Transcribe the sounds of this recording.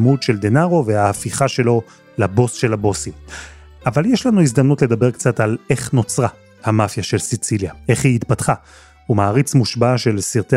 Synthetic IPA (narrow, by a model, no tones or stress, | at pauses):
mudʃe̞ldenaʁo̞vehaafiχaʃe̞lo̞ | labo̞sʃe̞lhabo̞sim | avaljeʃlanuizd̪amnutle̞dabe̞ʁkt͡satale̞χno̞t͡sʁa | hamafjaʃe̞lsit͡siljae̞χhiitpatχa | umaːʁit͡smuʃbaʃe̞lsiʁte